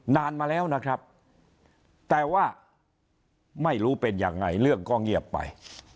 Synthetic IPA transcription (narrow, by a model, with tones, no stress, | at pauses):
naː˧nmaː˧lɛː˦˥wna˦˥kʰɾa˦˥p̚ | t̪ɛː˨˩waː˥˩ | ma˥˩jɾuː˦˥pe˧njaː˧ŋːa˧jlɯ˥˩əŋkɔː˥˩ŋi˥˩əpːa̰˧j